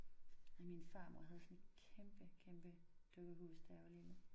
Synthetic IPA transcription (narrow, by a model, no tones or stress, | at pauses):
minfɑ̈ːmo̰ɐ̰ɦæð̩ˠsɒ̽nkʰemb̥əkʰemb̥əd̥øɡ̥ðˠɦṵːsd̥æʋɐlinu